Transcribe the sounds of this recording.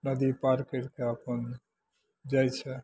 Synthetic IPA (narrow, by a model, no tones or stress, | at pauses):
nəd̪ipaɾkeɾkeəpən | d͡ʒajt͡ʃʰɛ